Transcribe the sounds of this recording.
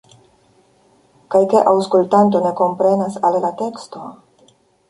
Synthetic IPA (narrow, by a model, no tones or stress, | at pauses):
kajkeʔawskultant̬o̞ne̞ko̞mpɾe̞nasallate̞ksto̞